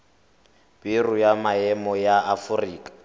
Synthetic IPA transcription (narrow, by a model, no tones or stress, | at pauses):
b̥irujamaɛmɔjaːfuriːkʼḁ